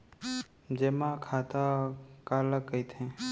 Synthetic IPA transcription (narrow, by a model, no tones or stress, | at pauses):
d͡ʒemakʰaːt̪akaːləkːəit̪ʰẽː